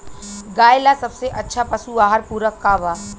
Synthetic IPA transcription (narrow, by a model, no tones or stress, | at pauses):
ɡaːjɪlasɐbseʔɐtːʃʰapɐsuaːɦəɾpuːɾəkːaːʋaː